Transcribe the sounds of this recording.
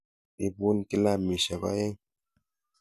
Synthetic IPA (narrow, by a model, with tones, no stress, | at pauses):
i˦bu˦nki˦la˦˨mi˨ʃa˨ba̰˦je˦ŋ